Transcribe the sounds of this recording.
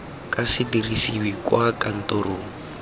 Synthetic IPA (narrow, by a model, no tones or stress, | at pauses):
kʼasɪdirisiwikwakan̩tɔɾʊːŋ̩